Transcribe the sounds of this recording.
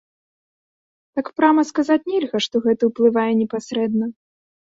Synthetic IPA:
t̪akpɾamɐskazat͡sʲnʲɛlʲɣɐʂt̪ɔɣɛt̪ɐwplˠɨvajɛnʲɛpasɾɛd̪nɐ

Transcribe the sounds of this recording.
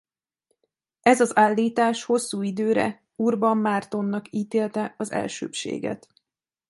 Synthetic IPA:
ɛzɒzaːlːiːt̪aːʃho̞sːuːid̪øːɾɛ̰ | urbɒmːaːrt̪o̞nːɒkiːt̪eːlt̪ɛɒzɛ̰lʃø̰ːpʃḛːɡɛ̰t̪

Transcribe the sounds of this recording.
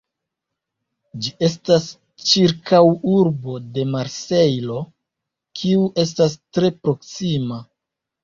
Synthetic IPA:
d͡ʒie̞s̬tas | t͡ʃiɾkawuɾbo̞de̞maɾse̞jlo | kʰiuʔe̞s̬tas̬tɾe̞pɾo̞ksima

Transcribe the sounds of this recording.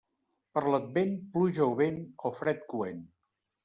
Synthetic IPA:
pəɾləd̪̚benpluʒəwβenofɾɛt̪kuen

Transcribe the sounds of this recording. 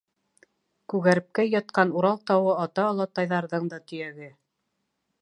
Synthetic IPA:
kʉɣæɾɘ̆p̚kæjɑt̪̚qɑnuɾɑlˠt̪ɑwɤɑt̪ɑːlˠɑt̪ɑjðɑɾðɤɴd̪ɑt̪ɵ̆jæɡɘ

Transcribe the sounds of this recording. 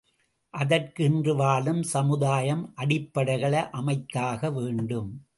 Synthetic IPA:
ʔɐðɐrkɪndrɯʋaːlɯmsɐmɯðaːjɐmʔɐɽɪpːɐɽɐɪɣɐɭɐʔɐmɐɪt̪ːaːɣɐʋeːɳɖɯm

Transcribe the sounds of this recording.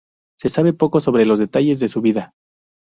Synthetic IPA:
se̞saβe̞po̞ko̞so̞β̞ɾe̞lo̞zðe̞t̪aʝe̞zðe̞suβiða

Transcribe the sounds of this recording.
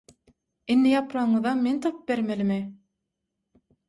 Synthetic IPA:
inːijɑpɾɑɴɯðɑment̪ʰop̚beɾmelimɪ

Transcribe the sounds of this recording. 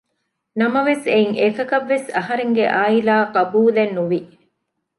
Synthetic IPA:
nɐmɐʋeseiŋʔekɐkɐʋːesɐɦɐɾeŋɡeʔaːilaːqɐbuːlenːuʋi

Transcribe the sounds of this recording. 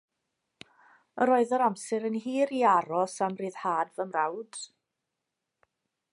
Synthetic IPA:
əɾoːɨðəɾamsɛɾənɦiːɾiaɾɔsamriːð̥haːdvəmrawd̥

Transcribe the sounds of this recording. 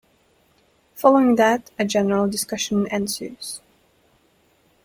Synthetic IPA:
fɑlˠoʊɪ̃ŋðɨɾɨd͡ʒɛnəɹəlˠdɨskʌʃə̃nnɛ̃nsə˞z̥

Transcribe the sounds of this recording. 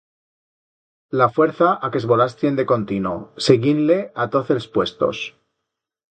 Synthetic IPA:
lafwe̞ɾθaʔake̞zβo̞last̪je̞nd̪eko̞nt̪inoseɣinle̞at̪o̞θelspwe̞st̪o̞̰s

